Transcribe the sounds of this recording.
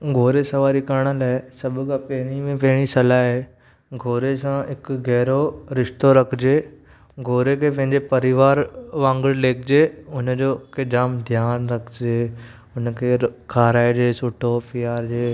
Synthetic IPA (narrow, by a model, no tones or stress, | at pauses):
ɡʱoːɾesɐʋaːɾikɐɾɽ̃əlaːɪsɐbʱʊkapɐɦɪɽ̃imẽpɐɦɪɽ̃isɐlaːe | ɡʱoːɾesãɦɪkɣɛːɾoɾɪʃt̪oɾɐkʰd͡ʑeː | ɡʱoːɾekʰepɐ̃ɦɪ̃ɲd͡ʑepɐɾɪʋaːɾʋãːŋɡəɽleːkʰd͡ʑeːʊnd͡ʑoːked͡ʑaːmd̪ʱjaːnɾɐkʰd͡ʑeː | ʊnkʰekʰaːɾaːed͡ʑeːsʊʈʰopijaːɾd͡ʑeː